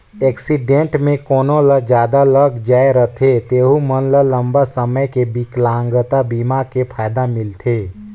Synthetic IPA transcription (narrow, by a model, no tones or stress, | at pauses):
ɛːksiɖẽɳʈmẽkoːnõləd͡ʒjaːd̪aləɡd͡ʒaːeɾət̪ʰet̪eːɦumənlələ̃mbasəməjkebiklãːŋɡət̪abiːmakepʰaːjd̪amɪlt̪ʰeː